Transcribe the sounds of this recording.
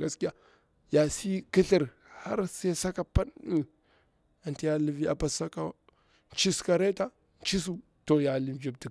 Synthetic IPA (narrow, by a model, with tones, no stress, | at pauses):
ɡa˨ski˦ja˨ | ja˨si˦ki˦ɬi˨ɾ | ha˦ɾse˦sa˦ka˨pa˦n˦ | a˨nti˦ja˦li˦vi˦a˨pa˨sa˦ka˨ | t͡ʃi˦ska˨ɾe˦ta˦ | t͡ʃi˦s̬u˦ | to˨ja˨li˦˨md͡ʒi˨b̚ti˨